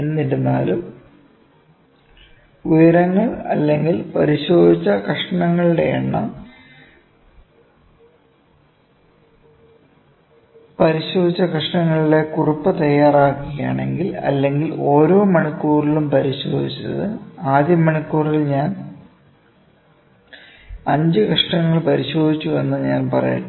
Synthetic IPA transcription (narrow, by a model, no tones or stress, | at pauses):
enːiɾunːaːlum | ujɐɾɐŋːɐɭɐ̰lːe̞ŋɡilpɐɾiɕo̞ːd̪it͡ɕːɐkrɐʂɐɳɐŋːɐɭiɽe̞ːɳːɐ̰ | pɐɾiɕo̞ːd̪ʱit͡ɕːɐkɐʂɳɐŋːɐɭiɽe̞kurupːɐt̪ɐjːaːraːkːija̰ːɳe̞̰ŋɡilɐ̰lːe̞ŋɡilo̞ːɾo̞ːmɐɳikːuːrilumpɐɾiɕo̞̰ːd̪ʱit͡ɕːɐɐ̰ðɨaːd̪jɐmːɐɳikːuːrilɲaːn | ɐɲd͡ʑɨkɐʂɳɐŋːɐɭpɐɾiɕo̞ːd̪ʱit͡ɕːue̞nːɨɲaːnpɐrɐ̰ja̰